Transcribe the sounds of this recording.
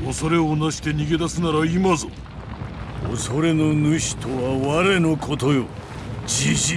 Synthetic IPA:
oso̞ɾe̞onaɕi̥t̪e̞ɲ̟iɡe̞d̪asɨnaɾaimazo̰ | o̰so̞ɾe̞no̞nɯɕi̥t̪ʰo̞βaβaɾe̞nokʰo̞t̪ojo | d͡ʑiʑi

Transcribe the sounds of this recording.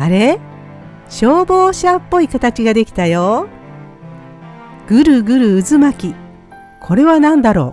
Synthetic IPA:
aɾe̞ | ɕo̞ːbo̞ːɕapːo̞ikat̪at͡ɕiɡad̪e̞kʲi̥t̪ajo | ɡ̥ɯ̟ɾɯ̟ɡɯ̟ɾɯ̟ːzɨmakʲi | kʰo̞ɾe̞βanãnd̪aɾo̞̰ː

